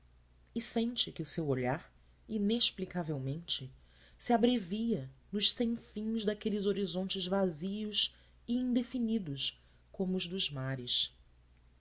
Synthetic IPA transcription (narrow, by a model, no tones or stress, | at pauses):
ɪsẽnt͡ʃɪkɪʊsewoʎaɾ | ineʃplikavewmẽnt͡ʃɪ | sɪabɾeviɐnʊʃsẽj̃fĩzd̪akelɪzoɾizõnt͡ʃɪzvaziʊs | ɪĩŋd̪efinid̪ʊs | kõmʊːzd̪ʊzmaɾɪs